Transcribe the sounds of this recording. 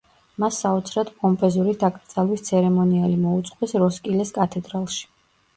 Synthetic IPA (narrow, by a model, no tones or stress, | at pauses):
masːaɔt̪sʰɾad̪pʼɔmpʼɛzuɾid̪akʼɾd̪z̥ʼalˠwist̪sʰɛɾɛmɔnialimɔut̪sʼqʼwɛsɾɔskʼilɛskʼat̪ʰɛd̪ɾalˠʃi̥